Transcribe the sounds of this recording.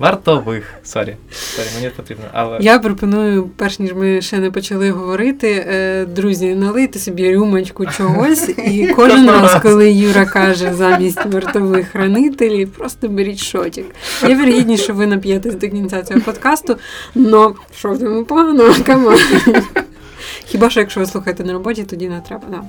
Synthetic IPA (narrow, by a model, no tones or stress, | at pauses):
ʋɐrt̪ɔʋɪxsɔ̰ɾʲḭsɔɾʲimenʲipɔt̪ɾʲibnɔ̰ɐ̰lˠɛjapɾɔpɔnujʊpɛrʃnʲiʒmɪʃɛnɛpɔt͡ʃɐlˠɪɦɔʋɔɾɪt̪ɪd̪ɾuzʲɐnɐlˠɪt̪ɪsʲɔbʲiɾʲumɐt͡ʃkʊt͡ʃɔɦɔsʲikɔʒʐɪnɾɑskɔlˠɪjuɾɐkɑʒɛzɑmʲisʲtʲʋert̪ɔʋɪxɾɐnɪt̪elʲpɾɔst̪ɔbeɾʲitʲʃɔtʲikjɛʋerɦʲidʲnʲiʃt͡ʃɔʋɪnɐpʲjɛt̪esʲd̪ɪkʲnʲint̪sʲat͡sʲɔɦɔpɔd̪kɑst̪ʊnɔ | ʃɔzjʲɔmupɔɦɐnɔkɐmɑ | xʲibɑʃt͡ʃɔjɐkʃt͡ʃɔʋɪsˠuxɐjet̪ɛnɐɾɔbɔtʲit̪ɔdʲinɛt̪ɾɛbɐd̪ɑ